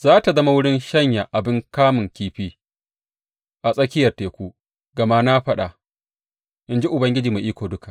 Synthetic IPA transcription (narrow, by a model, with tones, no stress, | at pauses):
zaː˦ta˨zɐ˦ma˦wʊ˦ɽɪ˦nʃɐ˦ɲja˨ʔa˨bɪ˦ŋkaː˦mʊ˨ŋkʲiː˦ɸiː˦ | ʔa˨sʼɐ˦kʲɪ˦jɐ˨rteː˨kʷuː˦ | ɡ̥ɐ˨ma˦na˦ɸɐ˦ɗa˨ | ʔɪ˦nd͡ʒi˦ʔʊ˨bɐ˦ŋɡʲɪ˦d͡ʒiː˨me˨ʔiː˦kʷoː˨dʊ˦ka˨